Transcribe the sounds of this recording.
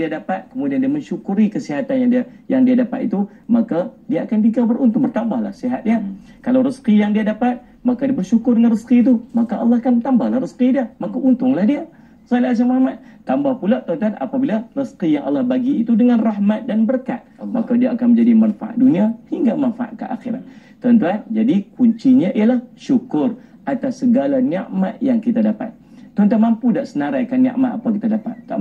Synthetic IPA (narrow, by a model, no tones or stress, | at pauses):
diadapat̪̚kəmudiandiaməɲʃukuɾikəsiɦat̪anjaŋdia | jaŋdiadapa̰t̪it̪u | makadiaakanbikabərunt̪ʊŋbərt̪ambahla̰hsiɦat̪̚nia | kalawɾəskijaŋdiadapat̪̚ | makadiabərʃukʊrdəŋanrəskiːt̪̬umakaʔɑ̰lˠːɑhakanbərt̪ambahlahrəskidiamakaʔunt̪ʊŋlahdia | salias̬amamat̪̚t̪ːambahpulat̪aunt̪ana̰pabilarəskijaŋʔɑ̰lːɑhbaɡiːt̪udəŋanrahmat̪̚danbərka̰t̪̚makadiaʔːkanməɲd͡ʒadimanfa̰ʔa̰t̪̚duniahiŋɡamanfaʔa̰t̪̚kəʔa̰xiɾa̰t̪̚ | t̪ɔnt̪uand͡ʒadikuɲt͡ʃiɲaʔialahʃukʊr | ʔat̪asːəɡalania̰ʔmat̪jaŋkit̪adapa̰t̪̚ː | ont̪anmampudaʔsənaɾajkanːḭʔmat̪apakit̪adapa̰t̪̚ːa